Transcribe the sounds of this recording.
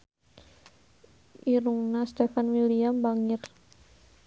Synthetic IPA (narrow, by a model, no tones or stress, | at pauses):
ʔiɾuŋnast̪efanwiliambaŋɪr